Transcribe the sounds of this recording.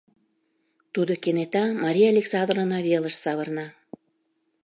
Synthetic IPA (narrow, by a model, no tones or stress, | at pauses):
t̪ud̪okenet̪ɑmɑɾʲijɑlʲeksɑd̪ronɑβeləʃsɑβərnɑ